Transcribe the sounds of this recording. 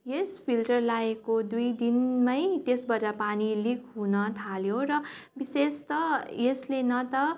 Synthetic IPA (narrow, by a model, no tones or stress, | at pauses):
jespʰilʈʌrlaekod̪ujd̪inmʌjt̪esbʌd͡zapanilikʰɦunʌt̪ʰaljoɾʌbisest̪ʌjeslenʌt̪ʌ